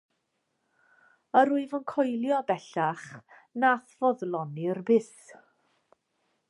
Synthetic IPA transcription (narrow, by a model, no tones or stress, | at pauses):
əɾuɨvənkʰɔjlˠjɔbɛɬaχ | naθvɔðlˠɔnirbɪs